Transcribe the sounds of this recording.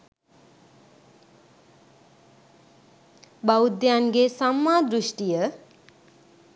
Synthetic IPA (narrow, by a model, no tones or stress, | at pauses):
bawd̪janɡesamːad̪ɾusʈijʌ